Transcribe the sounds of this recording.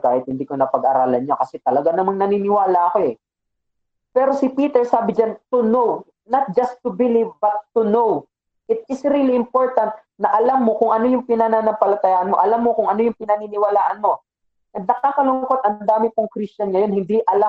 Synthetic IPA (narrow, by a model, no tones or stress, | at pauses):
kaːhɪt̪hɪnd̪iːkonɐpɐɡʔɐɾaːlɐnɲokɐsɛt̪ɐlɐɡanɐmaŋnɐniːnɪwaːlɐʔɐko̞ɛ | pɛːɾo̞sɪpiːt̪ɛɹsaːbɪd͡ʒant̪ʊnow | nɐt̪̚d͡ʒɐst̪ʊbɪlivbɐt̪ːʊnow | ʔɪt̪̚ɪsɾiliʔɪmpo̞ɹt̪ɐnt̪̚ | nɐʔɐlamːo̞kʊŋʔɐno̞jʊŋpɪnananɐmpɐlɐt̪ɐjaʔɐnmo̞ʔɐlamːokʊŋɐno̞jʊŋpɪnɐninɪwɐlaːʔɐnmo̞ | ʔɐd̪̚nɐkaːkɐlʊŋko̞t̪ɐnd̪aːmɪpʊŋkɾist͡ʃɐnŋɐjo̞nhɪnd̪iʔɐla